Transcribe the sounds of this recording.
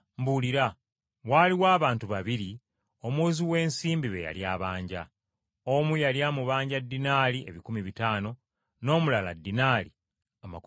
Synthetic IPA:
mbuliɾa | waːliwaːβaːntuβaβiɾi | o̞mwuziwe̞ːnsiːmbiβe̞̰ja̰ljaːβaːɲɟa̰ | omujaljamuβaːɲɟadːinaːlie̞̰βikumiβitaːno̞ | no̞ːmulala̰dːinaːli | amak

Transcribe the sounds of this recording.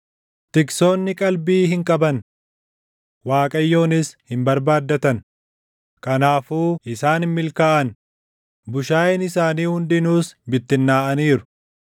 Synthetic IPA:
t̪ɪkso̞ːnːɪkʼɐlbiːɦɪŋkʼɐbɐn | waːkʼɐjːo̞ːnɪshɪmbɐɾbaːd̪ːɐt̪ɐn | kʼɐnaːfuːɪsaːnhɪmːɪlkaːʔɐn | bʊʃaːjɪnɪsaːniːhʊnd̪ɪnuːsbɪt̪ːɪnːaːʔɐniːɾʊ̥

